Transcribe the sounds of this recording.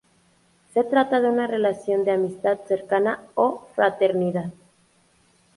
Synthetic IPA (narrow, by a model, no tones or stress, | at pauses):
se̞t̪ɾat̪aðe̞unare̞lasjo̞nd̪eamist̪aðse̞ɾkanaofɾat̪e̞ɾniðað